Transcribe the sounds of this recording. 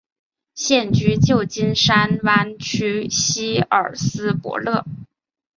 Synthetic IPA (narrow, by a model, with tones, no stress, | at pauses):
ɕjɛ˥˩nt͡ɕy˥t͡ɕjo˥˩ʊt͡ɕi˥nʂa˥nwa˥nt͡ɕʰy˥ɕi˥ə̰˞˨˩sɹ̩˥pwɔ̰˧˥lɤ˥˩